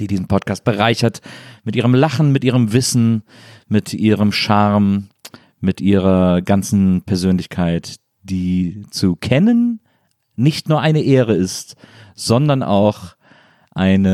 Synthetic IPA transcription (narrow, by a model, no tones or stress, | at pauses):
d̥iːdiːzn̩pʰɔtkʰaːst̚b̥əʁaɪçɐtmɪtʔiːʁəmlaχn̩mɪtʔiːʁəmvɪsn̩mɪtʔiːʁəmʃaʁm | mɪtʔiːʁɐɡant͡sn̩pʰɛɐzøːnlɪçkʰaɪt | d̥iːt͡sukʰɛnənː | ɪçtnuːɐʔaɪnəʔeːʁəɪstz̥ɔndɐna̰ʊx | ʔaɪnə